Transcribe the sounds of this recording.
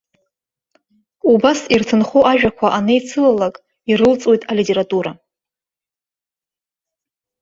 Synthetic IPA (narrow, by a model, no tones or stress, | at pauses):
ubasirtʰɨnχuʔaʒᶣakʷʰaʔanɨjt͡sʰɨlalakʼ | iɾɨlt͡sʼo̞jtʼalitʼe̞ɾatʼuɾa